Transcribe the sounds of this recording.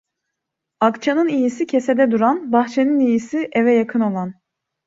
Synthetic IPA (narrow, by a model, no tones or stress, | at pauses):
akt͡ʃʰanɯnijisicʰesɛd̪ɛd̪uɾanbaxt͡ʃʰeninijisiʔevɛjakʰɯno̞lˠan